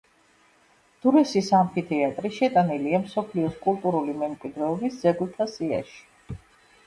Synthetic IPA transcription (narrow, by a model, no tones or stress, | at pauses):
d̪̥uɾɛsisampʰit̪ʰɛat̪ʼɾiʃɛt̪ʼaniliamsɔpʰliɔskʼulˠt̪ʼuɾulimɛmkʼwid̪ɾɛɔbisdz̥ɛɡulˠt̪ʰasia̰ʃi̥